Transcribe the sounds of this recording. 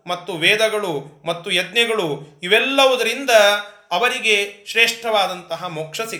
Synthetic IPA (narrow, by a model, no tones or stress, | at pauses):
mɐt̪ːuʋɛːd̪ɐɡɐɭumɐt̪ːujɛd̪nɐɡɐɭuiʋɛlːɐʋud̪ɐɾind̪ɐːʋɐɾiɡeʃɾeːʂʈɐʋaːd̪ɐnt̪ɐɦɐmoːkʂɐsi